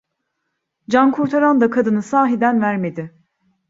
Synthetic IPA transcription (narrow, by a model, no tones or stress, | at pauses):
d͡ʒankʰuɾt̪ʰaɾand̪akʰad̪ɯnɯsaːɦid̪ænvæɾme̞d̪ɪ